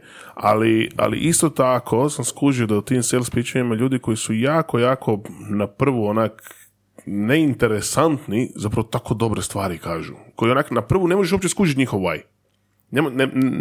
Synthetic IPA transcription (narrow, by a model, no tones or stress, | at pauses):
a̰lia̰lḭʔist̪o̞t̪akʰo̞samskuʒiod̪aut̪iːmselˠspit͡ʃaɲimaʎuːd̪iko̞jisujaːko̞jaːkʰo̞napr̩ʋuonak | ne̞int̪e̞ɾe̞sant̪nizapɾɐʋo̞t̪ako̞d̪o̞bɾest̪ʋaːɾikaːʒṵko̞jionaknapr̩ʋune̞moʒeʃo̞p̚t͡ʃeskuːʒit̪ɲixoʋa̰j | nemne